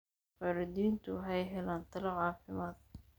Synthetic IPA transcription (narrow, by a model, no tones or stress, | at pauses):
fɐɾɪd̪iːnt̪ʰʊɦɛjɦɛlaːnt̪ʰɐlɐʕɑːfɪmaːd̪̚